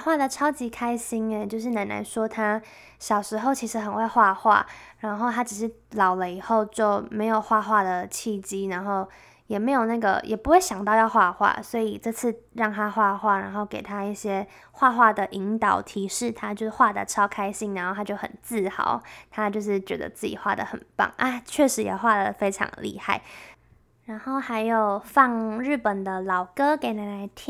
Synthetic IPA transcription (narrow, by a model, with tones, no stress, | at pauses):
xwa˥˩d̪ə˨˩ʈ͡ʂʰɑ˥ʊt͡ɕi˧˥kʰa˥ɪɕi˥ŋe˧t͡ɕjo˥˧ʊʂ̬ɻ̩˥˩na˧˥na̰˧nʂwɔ˥t̪ʰa˥ | ɕjɑ˨˩ʊʂɻ̩˧˥xo˥˩ʊt͡ɕʰi˧˥ʂɻ̩˧˥xə˨˩nxwe˥˧ɪxwa˥˧xwa̰˥˩ɻa˧˥nxo˥˩ʊt̪ʰa˥ʈ͡ʂ̩˨˩ʂɻ̩˥˩lɑ˨˩ʊlə˦i˨˩xo˥˧ʊt͡ɕjo˥˩ʊme˧˥ɪjo˨˩ʊxwa˥˧xwa˥˩d̪ə˩t͡ɕʰi˥˩t͡ɕi˥na˧˥nxo˥˩ʊ | jɛ˨˩me˧˥ɪjo˨˩ʊna˥˩ɡə̰˩jʔɛ˨˩pu˧˥xwe˥˩ɪɕjɑ˨˩ŋt̪ɑ˥˧ʊjɑ˥˧ʊxwa˥˧xwa̰˥˩swɔ˧˥i˨˩ʈ͡ʂɤ˥˧t͡sʰɹ̩˥˩ɻɑ˥˩ŋt̪ʰa˥xwa˥˧xwa˥˩ɻa˧˥nxo˥˩ʊke˨˩ɪt̪ʰa˥i˥˩ɕjɛ˥ | xwa˥˧xwa˥˩d̪ə˩ʔi˧˥ŋt̪ɑ˨˩ʊt̪ʰi˧˥ʂɻ̩˥˩t̪ʰa˦t͡ɕjo˥˧xwa˥˩d̪ə̰˩ʈ͡ʂʰɑ˥ʊkʰa˥ɪɕi˥˩ŋna˧˦nxo˥˩a˥t͡ɕjo˥˩xə̰˨˩nt͡sɹ̩˥˩xɑ̰˨˩˦ʊt̪ʰa˥t͡ɕjo˥˧ʊʂɻ̩˥˩t͡ɕɥɛ˧˥d̪ə̰˨t͡sɹ̩˥˩t͡ɕḭ˨˩xwa̰˥˩d̪ə̰˩xə̰˨˩npa̰˥˩ŋʔa˥˩t͡ɕʰɥɛ˥˩ʂɻ̩˧˥jɛ̰˨˩xwa˥˩d̪ə˩fe˥ɪʈ͡ʂʰɑ̰˧˥ŋlʔḭ˥˧xa˥˩ɪ | ɻa˧˥nxo˥˩ʊxa˧˥ɪjo˨˩ʊfɑ˥˧ŋɻ̩˥˩pə˨˩nd̪ə˩lɑ˨˩ʊkɤ˥ke˧˥ɪna˧˥la˧˥ɪt̪ʰi˦